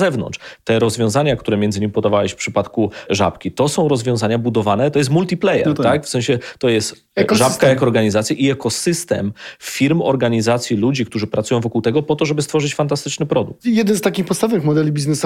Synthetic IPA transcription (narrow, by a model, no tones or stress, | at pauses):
zɛvnɔ̰nt͡ʂt̪ɛɾɔzvʲjɔ̃w̃zaɲakt̪uɾɛmjɛnd̪ɘɲimpɔd̪avawɛɕfpʂɘpat̪kuʐa̰pkʲit̪ɔsɔ̃w̃ɾɔzvʲjɔ̃zaɲabud̪ɔvanɛt̪ɔjɛst̪mult̪ʲiplɛjɛ̰ɾt̪akfsɛ̃ɕɛt̪ɔjɛst̪ | ɛkʐakajakɔɔːɾɡaɲizat̪sʲjaʔiɛkɔsɘst̪ɛ̰mfʲiɾmɔ̰ɾɡaɲizat̪sʲjilud͡ʑikt̪uʐɘpɾat̪sujɔ̃w̃vɔkuwt̪ɛɡɔpɔt̪ɔʐɛbɘst̪fɔʐɘt͡ɕfant̪ast̪ɘt͡ʂnɘpɾɔd̪ṵkt̪jɛd̪ɛnst̪akʲixpɔt̪st̪avvɨxmɔd̪ɛlʲibʲiznɛs